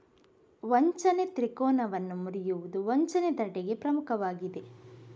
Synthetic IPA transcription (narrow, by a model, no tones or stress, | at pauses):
ʋɔɲt͡ʃɐnet̪ɾikɔːnɐʋɐnːumuɾijuʋud̪uʋɔɲt͡ʃɐned̪ɐɖɛɡe̞pɾɐmukʰɐʋaːɡid̪e̞